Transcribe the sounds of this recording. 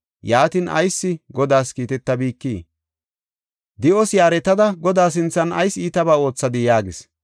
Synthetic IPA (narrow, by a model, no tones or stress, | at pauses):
jaːt̪iːnʔɐ̰jsːɪɡɔd̪aːskiːt̪ɛt̪ːɐbiːkːiː | d̪ɪʔɔsjaːɾɛt̪ːɐd̪ɐɡɔd̪aːs̬ɪnt͡sːɐnɐ̰jsiːt̪ɐbaːo̞ːt͡sːɐd̪ɪjaːɡɪs